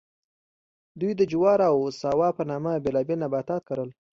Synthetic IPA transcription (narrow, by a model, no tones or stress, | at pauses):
d̪ujd̪əd͡ʒʊwɑɾawsɑwɑpənɑmabelɑbelnabat̪ɑt̪̚kaɾəl